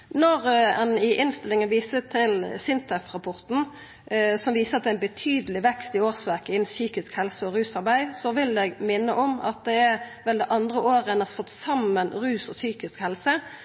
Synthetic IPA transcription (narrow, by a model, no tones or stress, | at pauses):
nɔɾɛ̰nɪʔɪnst̪ɪlɪŋənʋiːsət̪ʰɪlsɪnt̪ʰɛfɾɑpʰɔʁt̪n̩ | sɔmʋiːsəʁɑt̪̚d̪ɛæɪnbət̪ʰyːd̪əlɪʋɛkst̪ɪoːʁsʋæʁkəɪnn̩syːkɪskhɛlsəɔɾʉːsɑɾbæɪsɔʋɪld̪ɛɡmɪnːəʔɔmɑ̰t̪̚d̪ɛæʋɛld̪ɛʔɑnd̪ɾəʔoːɾəɛnɑsɑt̪ːsɑmənɾʉːsɔsyːkɪskhɛlsə